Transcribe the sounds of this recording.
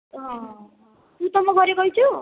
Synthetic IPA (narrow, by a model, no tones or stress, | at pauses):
ʌ | kut̪ʌmʌɡʌɾeɡʌjt͡sʰu